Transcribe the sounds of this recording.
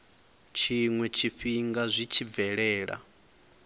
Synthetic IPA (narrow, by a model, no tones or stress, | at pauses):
t͡ʃʰiŋwɛt͡ʃʰiɸiŋɡazʷit͡ʃʰivɛɺɛːɺa̰